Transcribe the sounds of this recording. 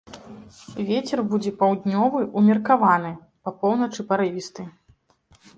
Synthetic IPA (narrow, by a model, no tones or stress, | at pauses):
vʲet͡sʲɛrbud͡zʲɛpawd̪ʲnʲɔvɨʔumʲɛrkavanɨ | pɐpɔwnɐt͡ʂɨpɐɾɨvʲist̪ɨ